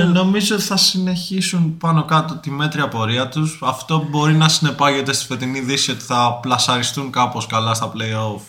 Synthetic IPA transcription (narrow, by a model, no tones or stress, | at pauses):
no̞mizoot̪i̥θɐsine̞çisunpɐno̞kɐt̪o̞t̪ime̞t̪ɾiɐpo̞ɾiɐt̪usɐft̪o̞bo̞ɾinɐsine̞pɐʝe̞t̪e̞st̪i̥fe̞t̪iniðisio̞t̪i̥θɐplɐsɐɾist̪uŋkɐpo̞skɐlɐst̪ɐple̞io̞f